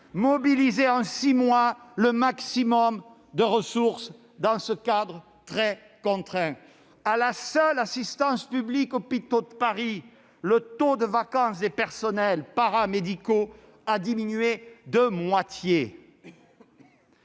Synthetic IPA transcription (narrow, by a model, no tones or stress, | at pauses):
mɔbilizeɑ̃simwaləmaksimɔm | d̪əʁəsuʁs | d̪ɑ̃səkad̪ʁə | t̪χɛ | kɔ̃t̪χɛ̃ | alasœlasist̪ɑ̃spyblikopit̪od̪əpaʁi | lət̪od̪əvakɑ̃sd̪epɛʁsɔnɛlpaʁamed̪iko | ad̪iminɥed̪əmwat̪je